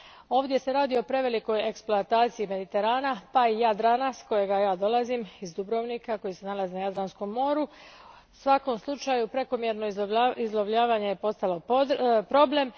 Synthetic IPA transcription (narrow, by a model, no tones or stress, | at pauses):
o̞ːʋd̪je̞se̞ɾaːd̪io̞pɾe̞ʋe̞liko̞jeksploat̪aːt̪sijime̞d̪it̪e̞ɾaːnapaijad̪ɾaːnasko̞je̞ɡajaːd̪o̞lˠazimizd̪ubɾo̞ʋniːkako̞jise̞nalˠazinajad̪ɾansko̞mːo̞ːɾu | sʋako̞mslˠut͡ʃajupɾe̞ko̞mje̞ɾno̞izlˠo̞ʋʎaːʋaɲe̞jepo̞st̪alo̞pɾo̞ble̞m